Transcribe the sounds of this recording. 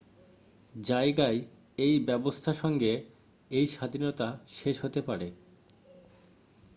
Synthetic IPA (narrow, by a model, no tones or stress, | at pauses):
d͡ʑaeɡae | ejbɛbost̪ʰaʃɔŋɡe | ejʃad̪ʱinot̪aʃeʃɦot̪epaɾe